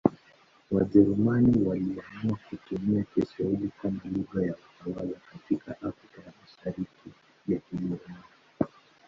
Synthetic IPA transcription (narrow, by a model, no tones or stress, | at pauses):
waʄɛɾumaniwaliwamuakutumiakɛsailikamaluɡajakutawazakatikaʔafɾikajamaʃaɾiki | jakimuɾna